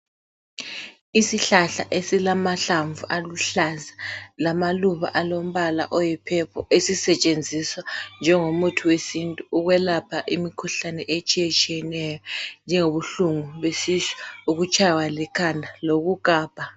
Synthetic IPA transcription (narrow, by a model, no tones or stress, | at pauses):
isiɬaɬa̰ʔesilamaɬaɱvuʔaluɬazalamaluβa̰ʔalom̩βala̰ʔɔjipʰɛpʰɔʔesisɛt͡ʃʼend͡zʱiswand͡ʒʱɛŋomutʰuwesintʼuuɣwɛlapʰaʔimikʰuɬanɛʔet͡ʃʼijɛt͡ʃʼijɛnɛjɔnd͡ʒʱɛŋoβuɬuŋuβesisi̥uɣut͡ʃʼajwalɛkʰandʱaloɣuɡ̥ʱaːb̥ʱa